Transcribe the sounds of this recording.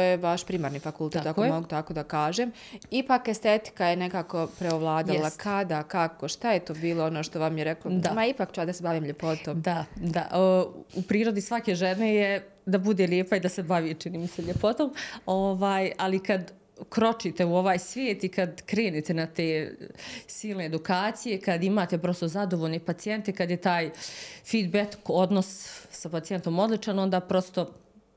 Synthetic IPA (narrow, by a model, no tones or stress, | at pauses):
ojeʋaʃpɾimaːɾniːfakulˠt̪et̪akkomoɡut̪akoːd̪akaːʒem | ipaːkest̪et̪i̥kajenekaːko̞pɾeoʋlˠaːd̪allˠakʰad̪akakoʃt̪ajet̪oːbiːlˠoonoʃt̪o̞ʋamjeɾeklod̪amaipaːkt͡ʃɛʋaːd̪asebaʋiːmʎe̞po̞t̪oːmd̪ad̪a̰ʔupɾiːɾod̪isʋakeʒeneje | d̪abud̪eljeːpaid̪asɛbaʋit͡ʃiniːmisɛʎepot̪oːmo̞ʋaːjalikad̪ | kɾo̞t͡ʃit̪e̞uo̞ʋaːjsʋjeːt̪ikad̪kɾe̞ːnet̪e̞nat̪eː | siːlˠne̞ːd̪ukaːt̪sije̞kad̪imaːt̪e̞pɾo̞st̪o̞zad̪o̞ʋoːʎne̞pat̪sije̞nt̪ekad̪jet̪aːjfiːd̪beko̞d̪no̞sːapat̪ije̞nt̪o̞mo̞d̪lˠit͡ʃano̞nd̪aːpɾo̞st̪o̞